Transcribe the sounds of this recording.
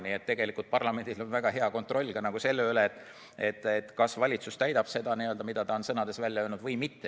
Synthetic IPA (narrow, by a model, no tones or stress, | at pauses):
niet̪ːeɡ̥e̞likːˑult̪̚pɑrlɑme̞nʲd̪̥ilo̞nvæɡ̥ɑɦe̞ɑko̞nt̪ro̞lʲːɡ̥ɑnɑɡ̥use̞lːeylet̪ːˑ | et̪ːˑet̪ːkɑsvɑlʲit̪sust̪æjd̪̥ɑb̥se̞d̪̥ɑniøld̪ɑmid̪̥ɑt̪ɑo̞nsɤnɑd̪̥e̞svælʲːjɑønud̪vɤjmit̪ːe